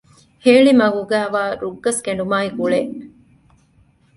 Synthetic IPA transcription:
heːɭimɐɡuɡæːʋaːɾuɡːɐskeɳɖumaːikuɭeʔ

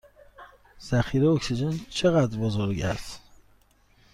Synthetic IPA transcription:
z̥æxiːɾeoksid͡ʒent͡ʃʰeɣæd̪ɾbozoɾɟæs

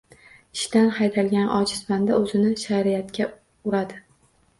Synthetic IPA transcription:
ɪʃt̪anhajt̪ʰalɡʲanʔɒ̰t͡ʃʰɪ̥sband̪aɵzɪnɪʃaɾɪjat̪kʲa | ʊɾad̪ɪ

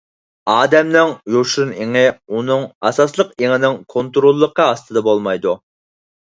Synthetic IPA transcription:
ɑːd̪ɛmnɪŋjoʃniŋɪunɨŋɑsɑslˠəqeŋɪnɪŋkʰont̪ɾolˠːəqʰːɑɑst̪ɨd̪ɑbolˠmɑjd̪u

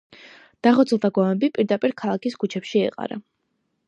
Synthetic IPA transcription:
d̪̥aχɔt̪sʰlˠt̪ʰaɡɔmɛbipʼiɾd̪apʼiɾkʰalˠakiskʰut͡ʃʰɛpʃiɛ̰qʼa̰ɾa̰

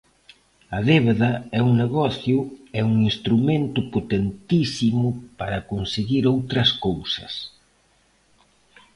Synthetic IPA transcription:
ɐðeβeðɐɛuŋneɣɔθjʊɛuŋinst̪ɾumẽnt̪ʊpot̪ent̪isimʊpaɾɐkonseɣiɾowt̪ɾɐskowsɐ̰s

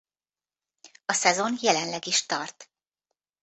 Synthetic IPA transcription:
ɒsɛzo̞njɛlɛnlɛɡiʃt̪ɒrt̪

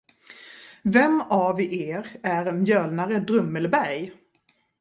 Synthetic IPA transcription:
vɛmːavɪʔeːɾæɾɛnjœːlnaɾəd̪ɾɵmːəlbæɾj

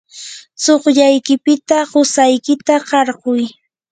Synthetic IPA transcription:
t͡soχʎajkɪpɪt̪aɢʊsajkɪt̪aɢɑɾɢʊj

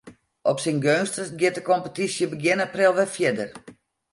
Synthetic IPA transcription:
ʔɔpsinɡønstəɡjɪtdəkompətisjəbəɡjɪnaprɪlˠʋɛfjɪdər

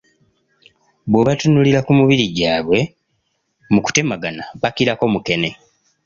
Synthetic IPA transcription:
βweβatunuliɾakumuβiɾiɟaːβwe̞ | muku̥te̞maɡanaβakiɾako̞muke̞ne̞

